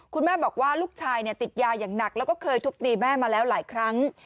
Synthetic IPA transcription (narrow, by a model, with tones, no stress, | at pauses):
kʰu˧nmɛː˥˩bɔː˨˩k̚waː˥˩luː˥˩k̚t͡ɕʰaː˧jni˥˩ɐt̪i˨˩t̪̚jaː˧jaː˨˩ŋna˨˩k̚lɛː˦˥wkɔː˥˩kʰɤː˧jt̪ʰu˦˥k̚t̪iː˧mɛː˥˩maː˧lɛː˦˥wlaː˩˦jkʰɾa˦˥ŋ